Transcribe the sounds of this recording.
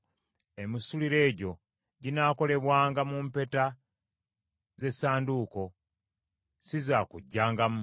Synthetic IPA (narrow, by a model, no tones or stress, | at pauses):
e̞misuliɾe̞ːɟo̞ | ɟinaːko̞le̞βwaːŋɡamuːmpe̞ta | ze̞saːnduːko̞ | sizaːkuɟːaːŋɡamu